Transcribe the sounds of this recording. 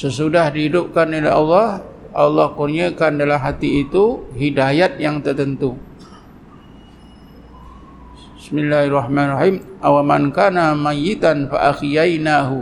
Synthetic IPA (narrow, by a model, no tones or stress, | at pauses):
səsudahdiɦidʊp̚kanolɛɦɑlːɑhʔɑlːɑhkurɲəkandalamɦat̪iːt̪uɦidajat̪̚jaŋt̪ərt̪ənt̪u | bɪsmɪlːaharːɑhmanrɑħimʔawamankaːnamajɪt̪anfa̰ʔaxjajnaɦu